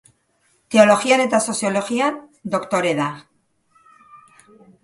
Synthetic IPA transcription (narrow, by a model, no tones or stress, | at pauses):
t̪e̞o̞lo̞xiane̞t̪aso̞sjo̞lo̞xiand̪o̞kt̪o̞ɾeða